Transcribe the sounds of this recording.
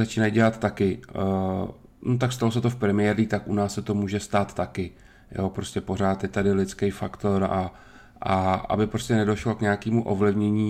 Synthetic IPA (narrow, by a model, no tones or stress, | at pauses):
zat͡ʃiːnajɟɛlat̪t̪ːakɪ | not̪akst̪alos̬ɛt̪o̞fpɾɛmɪjɛːɾiːt̪akʔunaːssɛt̪o̞muːʒɛst̪aːt̪ːakɪ | jʔoːpɾo̞scʲɛpo̞r̝aːt̪jɛt̪adɪlɪt͡skejfakt̪o̞ɾa | ʔaʔa̰bɪpɾoscɛnɛdo̞ʃlo̞kɲɛakiːmuʔo̞vlɪvɲɛɲiː